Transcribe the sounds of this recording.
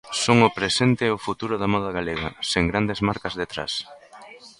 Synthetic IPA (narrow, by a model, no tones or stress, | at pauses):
soŋʊpɾesent̪ɪʊfut̪uɾʊðamɔðɐɣ̞aleɣɐ̰seŋɡɾand̪ezmaɾkɐzðet̪ɾa̰s